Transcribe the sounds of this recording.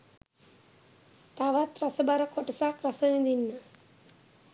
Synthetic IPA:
t̪aʋat̪ɾɐsəbaɾəkoʈɐsakɾɐsəʋid̪inːə

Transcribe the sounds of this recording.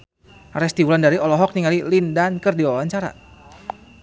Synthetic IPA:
ɾɛst̪iwulandaɾiɔlɔɦɔk̚niŋalilindankərdiwawaɲt͡ʃaɾa̰

